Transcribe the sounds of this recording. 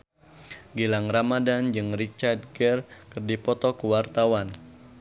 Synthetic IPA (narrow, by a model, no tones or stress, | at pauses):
ɡilaŋramadand͡ʒɨŋrit͡ʃard̪̚ɡɛrkɨrdipɔt̪ɔkuwart̪awan